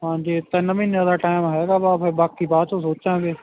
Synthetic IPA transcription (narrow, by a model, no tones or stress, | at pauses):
ɦãːd͡ʒiːɪt̪ːanɐmɪnaːd̪aʈaːɪmɦɛɡabaːpɦɛbaːkːibaːt̪sosoːt͡ʃd͡ʒãːɡeː